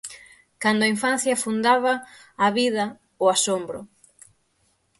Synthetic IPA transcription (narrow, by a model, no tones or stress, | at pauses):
kand̪ʊaiɱfan̟θjɐfund̪aβɐːβiðɐ | ʊasombɾʊ̰